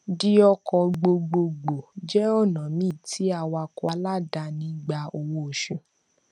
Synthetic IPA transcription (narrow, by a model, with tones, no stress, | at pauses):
di˦ɔ˧kɔ˧ɡ͡bo˧ɡ͡bo˧ɡ͡bo˨d͡ʒɛ˦ɔ˦˨nã˨mĩ˦˨tʰi˨˦a˧˨wa˧kɔ˧a˧˦la˦da˧nĩ˦ɡ͡ba˧o˧wo˧˨ʃũ˨